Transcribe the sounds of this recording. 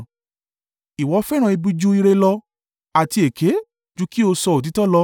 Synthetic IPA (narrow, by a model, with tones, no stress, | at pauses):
i˨wɔ˨˦fɛ˦ɾ̃ã˨i˧bu˧d͡ʒu˦i˧ɾe˧lɔ˧ | a˨ti˧e˨kʰe˨˦ | d͡ʒu˨˦ki˦o˧sɔ˧o˨t̬i˨˦tɔ˦lɔ˧